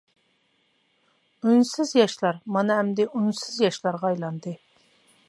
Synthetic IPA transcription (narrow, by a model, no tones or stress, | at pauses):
ynsɪzjɑʃlˠɑɾmɑnɨɛmd̪ɪʔunsɪzjɑʃlˠɑɾʁɑːjlˠɑnd̪ɨ